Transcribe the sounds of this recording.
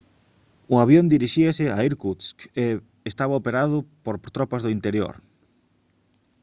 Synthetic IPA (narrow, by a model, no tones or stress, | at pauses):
ʊaβjond̪iɾiʃiasɪaiɾkuske | est̪aβaopeɾað̞ʊpoɾt̪ɾopazðʊint̪eɾjo̰ɾ